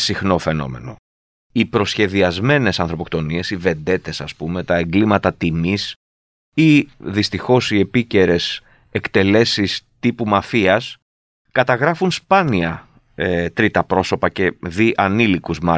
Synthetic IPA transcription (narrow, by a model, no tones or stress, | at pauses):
sixno̞fe̞no̞̰me̞̰no̞̰ | ipɾo̞sçe̞ðiɐzme̞ne̞sɐnθɾo̞pokt̪o̞nie̞sive̞nd̪e̞t̪e̞sɐspume̞t̪ɐe̞ŋɡlimɐt̪ɐt̪imis | iðist̪ixo̞sie̞pice̞ɾe̞s | e̞kt̪e̞le̞sist̪ipumɐfiɐs | kɐt̪ɐɣɾɐfunspɐniɐ | et̪ɾit̪ɐpɾo̞so̞pɐce̞ðiʔɐnilikuzmɐ